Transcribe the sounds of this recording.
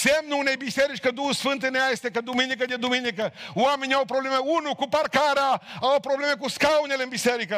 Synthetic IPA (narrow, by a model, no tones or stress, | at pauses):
semnunejbiseɾit͡ʃʲkəd̪uhusfɨnt̪̬ɨneajest̪ekəd̪uminikəd̪ed̪uminikəamenʲawpɾoblemeunukuparkaɾaawpɾoblemekuskauneleɨnbiseɾikə